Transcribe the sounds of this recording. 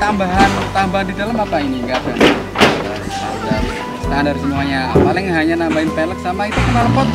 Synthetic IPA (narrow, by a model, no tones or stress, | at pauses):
t̪ambaɦant̪ambaɦndidalamapainiŋɡada | a | a̰da | sətaandaɾisəmuaɲapaljɛŋɦaɲanambaɪnpelək̚samait̪ukənaləpɔt̪̚